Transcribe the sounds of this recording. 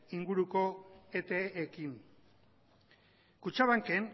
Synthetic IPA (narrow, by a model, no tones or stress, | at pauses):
iŋɡuɾuko̞et̪eːkin | kut͡ʃaβaŋke̞n